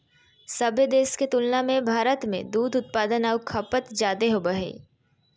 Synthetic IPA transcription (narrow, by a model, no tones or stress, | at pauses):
sɐbʱed̪eːsket̪ʊlnamẽbʱaːɾət̪mḛ̃d̪uːd̪ʊt̪̚paːd̪ənaʋkʰɐpət̪d͡ʒaːd̪eɦoːbɐɦḛ